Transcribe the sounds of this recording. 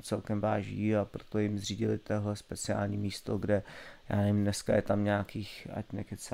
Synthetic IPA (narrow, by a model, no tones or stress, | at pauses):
t͡sɛlkɛmvaːʒiːapɾo̥t̪ojɪmzriːɟɪlɪt̪oɦlɛspɛt͡sɪa̰ːlɲiːmiːst̪o̞ɡdɛja̰ːnɛvɪmnɛskajɛt̪amɲaakiːxa̰cnɛkɛt͡s